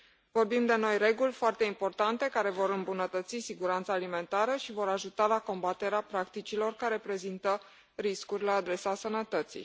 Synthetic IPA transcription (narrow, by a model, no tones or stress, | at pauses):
vo̞rbimd̪e̞no̞jɾe̞ɡulʲfoart̪e̞impo̞rt̪ant̪e̞kaɾe̞vo̞ɾɨmbunət̪ət̪sisiɡuɾant̪saːlime̞nt̪aɾəʃivo̞ɾaʒut̪alako̞mbat̪e̞ɾeapɾakt̪it͡ʃilo̞rkaɾe̞pɾe̞zint̪ə | ɾiskurʲlaːd̪ɾe̞sasənət̪ət̪sḭ